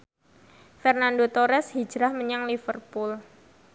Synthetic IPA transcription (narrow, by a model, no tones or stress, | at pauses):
fɛrnandot̪oɾɛshi̥d͡ʒɾahməɲaŋlifərpʊl